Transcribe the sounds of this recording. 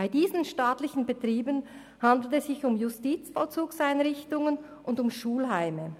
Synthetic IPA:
aɪdiːzənʃtaːtlɪçən̩betʁiːbən | handl̩tɛsz̥ɪçʊmjʊstiːt͡sfɔlt͡suːksaɪnʁɪçtʊŋən | ʔʊndʊmʃuːlɦaɪmə

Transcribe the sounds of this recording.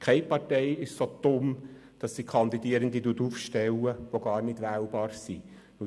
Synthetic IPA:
kʰɛɪpɑɾtɛɪɪʃsot̪ʊm | d̥ɑsdikʰɑnd̪idiəɾənd̪iduətuːfʃtɛwəʋoɡɑːrnɪd̥ʋæːlbɑːɾsi | nu

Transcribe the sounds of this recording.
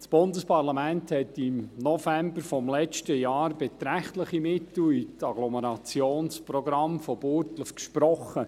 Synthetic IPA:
sb̥ʊndəspɑɾlɑmænthɛtɪmnɔfæmbəɾfɔmlɛt͡ʃtəjɑːɾbɛtɾæχtləχimɪtl̩it͡sɑɡlɔməɾɑt͡sjoːnsprɔɡɾɑmfɔbʊɾtləfkʃpɾɔχːə

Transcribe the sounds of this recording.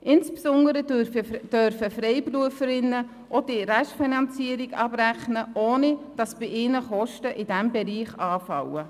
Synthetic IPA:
ʔɪnspsʊndəɾəəd̥œɾfəfrɛɪpruəfəɾɪnːə | ʔod̥iɾɛʃfinɑnt͡siːəɾiɡɑ̰bræχnəʔoːnid̥ɑsb̥ɪʔɪnəχɔʃtəʔɪd̥æmbɛɾiːχɑːfɑwə

